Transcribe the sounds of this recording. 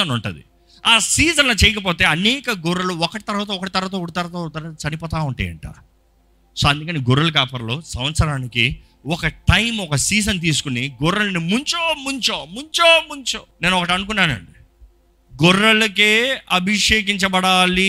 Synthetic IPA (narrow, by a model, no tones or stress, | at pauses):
ɐnuɳʈṵd̪ḭ | aːsiːd͡ʒɐnlɐt͡ʃɛjɐkɐp̬oːt̪e̞ːɐnɛːkɐɡuɾːɐluɔkɐʈit̪ɐɾʋaːt̪̬ɐɔkːɐʈit̪ɐɾɐʋaːt̪ɐuɽut̪ɐɾɐt̪ot̪ɐɾaɐt͡ʃɐnipɔːt̪̬aːuɳʈa̰ːjɐ̰ɳʈa̰ː | soːɐnd̪ukɐniɡuɾːɐlɐkaːpɐɾlo̞ːsɐ̃mʋɐt̪sɐɾaːniki | ɔkɐʈɐjmɔkɐsiːd͡ʒɐnt̪̬iːs̬u̥kuniɡɔɾːɐlɐnimuɲt͡ʃoːmuɲt͡ʃoːmuɲt͡ʃoːmuɲt͡ʃoːneːnuɔkɐʈiɐnuk̬unːaːnɐ̰ɳɖi | ɡɔrːɐlɐkeːɐbʱiʂeːk̬iɲt͡ʃɐbɐɽaːli